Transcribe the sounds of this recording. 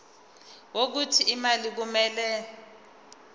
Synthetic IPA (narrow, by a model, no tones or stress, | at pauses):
wok̬utʰiːmalik̬umɛːlɛ